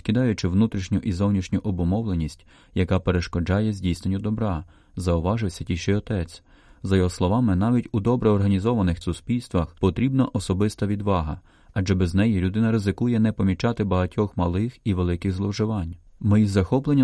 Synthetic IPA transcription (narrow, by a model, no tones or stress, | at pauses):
kʲid̪ɑjʊt͡ʃɪʋnut̪ɾʲiʃnʲʊʔizɔwnʲiʃnʲʊʔɔbɔmɔwlˠenʲisʲtʲ | jɐkɑpeɾeʃkɔd͡ʒɑjɛzʲdʲijsnenʲːʊd̪ɔbɾɑ | zɐʊʋɑʒɪwsʲɐtʲiʃɪjɔt̪ɛt͡sʲ | zɐjɔɦɔslˠɔʋɑmɪnɑʋʲitʲud̪ɔbɾɛɔrɦɐnʲizɔʋɐnɪxsʊspʲilʲst̪ʋɐxpɔt̪ɾʲibnɐʔɔsɔbɪst̪ɐʋʲid̪ʋɑɦɐ̰ | ɐd͡ʒɛbɛznɛjilʲʊd̪ɪnɐɾɪzɪkujɛnɛpɔmʲit͡ʃɑt̪ɪbɐɦɐtʲɔxmɐlˠɪxiʋelˠɪkɪɣzlˠɔwʒɪʋɑnʲ | mɪzɐxɔplˠenʲː